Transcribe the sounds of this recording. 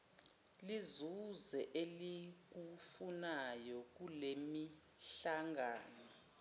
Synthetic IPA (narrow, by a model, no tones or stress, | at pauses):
lizuzɛʔelik̬ufunajɔk̬ulemi | ɬaŋɡʱaːnɔ